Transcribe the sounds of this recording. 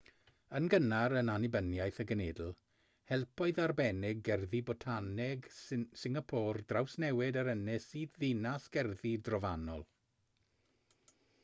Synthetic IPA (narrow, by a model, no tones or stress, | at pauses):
ənɡənaɾənanɪbənjajθəɡəneːdl̩ˠ | hɛlˠpʰɔɨðarbɛnɪɡɛrðibɔtʰanɛɡsɪŋapʰoːrdrawsnɛwɪdaɾənɪsiːdðɪnasɡ̥ɛrðidrɔvanɔlˠ